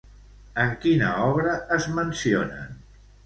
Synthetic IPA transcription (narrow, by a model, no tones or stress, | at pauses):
əŋkinə̰ɔβɾəəzmənsionə̰n